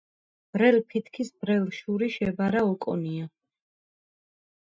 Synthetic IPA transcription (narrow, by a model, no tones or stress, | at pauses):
b̥ɾɛlpʰit̪ʰkʰisbɾɛlʃuɾiʃɛbaɾaɔkʼɔ̰nia